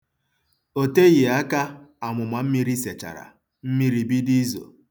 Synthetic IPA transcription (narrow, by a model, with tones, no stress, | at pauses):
o˨te˦ɣɪ˨a˦ka˦a˨ŋʷʊ˨ma˨m̩˦mi˦ɾi˦se˨t͡ʃa̰˨ɾa̰˨ | m̩˦mi˦ɾi˨bi˦di˦zo̰˨